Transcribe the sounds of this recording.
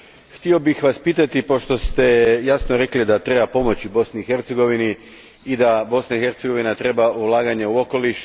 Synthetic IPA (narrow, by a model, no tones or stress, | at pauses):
xt̪io̞bixʋaspiːt̪at̪ipo̞ʃt̪o̞st̪e̞jasnoɾe̞klid̪at̪ɾe̞bapo̞mo̞t͡ɕibo̞sniːxe̞ɾt̪seɡo̞ʋini | id̪abo̞snaixe̞ɾt̪se̞ɡo̞ʋinat̪ɾe̞baulˠaːɡaɲe̞uoko̞liʃ